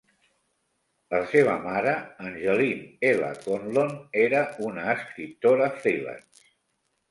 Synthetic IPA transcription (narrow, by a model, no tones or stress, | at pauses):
əseβ̞əmaɾəənʲʒəlinelə̰konloneɾəunəːskɾip̚t̪oɾəfɾilə̰ns